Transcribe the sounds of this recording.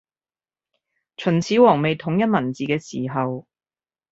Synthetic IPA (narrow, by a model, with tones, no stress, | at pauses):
t͡ʃʰɵ˨˩nt͡sʰiː˨˥wɔː˨˩ŋme˨jt̪ʰʊ˨˥ŋjɐ˥t̚mɐ˨˩nt͡siː˨kɛː˧siː˨˩ɦɐ˨w